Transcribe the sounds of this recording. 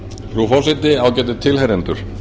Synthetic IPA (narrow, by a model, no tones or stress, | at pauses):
fɾufɔwsɪt̪ɪaːwcɛːt̪̬ɪt̪ʰɪlheɾɛnt̪ʏɾ̥